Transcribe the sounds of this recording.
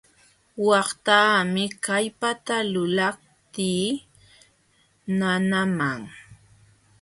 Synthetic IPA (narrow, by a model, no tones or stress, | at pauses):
wɑχt̪aːmɪkajpat̪alʊlap̚ | t̪iː | nanamaŋ